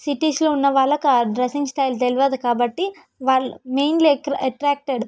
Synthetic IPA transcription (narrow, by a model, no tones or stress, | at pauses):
siʈiːsloːunːɐʋaːɭːɐkɐɖɾɐsiŋɡsʈɐːjlt̪eliʋaːd̪ukaːbɐʈːi | ʋaːɭːumejnlikɾɐʈɾaːk̚ʈeɖ